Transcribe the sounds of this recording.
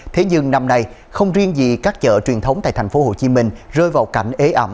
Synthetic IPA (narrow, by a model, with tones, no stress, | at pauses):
t̪ʰe˨˦ɲɨ˧ŋna˧mna˧j | xə˧wŋ͡mzi˧əŋzḭ˨˩kaː˦˥k̚t͡ɕə̰ː˧˨t͡ɕwi˨˩ənt̪ʰə˨˦wŋ͡mt̪a̰ː˧˨t̪ʰa˨˩ŋ̟fo˨˦ho˧˩t͡ɕi˨˦mï˧ŋ̟zəː˧jvaː˨˩wka˧˩jŋ̟ʔe˨˦ʔə˧˩m